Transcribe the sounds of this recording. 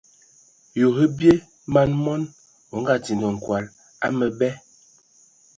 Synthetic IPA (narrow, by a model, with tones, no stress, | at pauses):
jo˨hə˦bje˦ | ma˦nmɔ˦n | o˨˦ŋ̩˦ɡa˦ti˨ndə˨ŋ̩˨kwa˨l | a˦mə˨bɛ˦